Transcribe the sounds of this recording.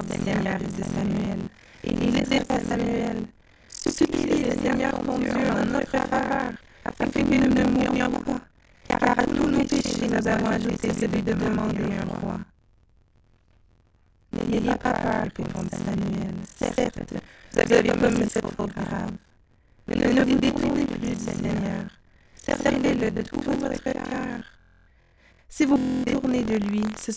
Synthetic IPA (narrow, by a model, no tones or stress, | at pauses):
d̪esɛɲɛʁezesamyɛl | ḛlilɛzɛʁt̪esamyɛl | sypiveləseɲɛʁkɔ̃d̪yɛ̃nɔt̪χəfavaʁ | a̰fɛ̃kɛ̃kənunəmujɔjɔ̃pa | ḛkaʁat̪unopeʃenuzavɔ̃aʒut̪ezed̪id̪əd̪əmɑ̃d̪eɛ̃ʁwa̰ | nə̰jɛjepapad̪əkɔkɑ̃t̪isamyɛlsɛt̪vṵzavekɔməsɛt̪ʁɔɡʁab | ɛnɛnəvud̪et̪uʁneplyd̪isɛɲœʁ | sɛleləd̪ət̪uvɔt̪χekaʁ | sivuvut̪uʁned̪əlɥisə